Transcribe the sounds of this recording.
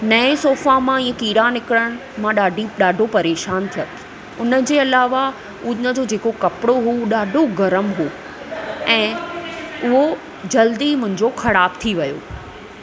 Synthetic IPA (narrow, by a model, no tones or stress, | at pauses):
nɐẽsoːfamãĩːə̃kiːɾanɪkɪɽəɽ̃ | mãɗaːɖʱiɗaːɖʱopɐɾeːʃaːnt̪ʰijot̪ʰ | ʊnəd͡ʑeːɐlaːʋa | unəd͡ʑod͡ʑeːkokɐpɪɽoɦuɗaːɖʱoɡɐɾəmɦoː | ɛ̃ː | ʊɦo | d͡ʑɐld̪imʊ̃ɦɪ̃ɲd͡ʑoxɐɽaːbt̪ʰiʋɐjo̰ː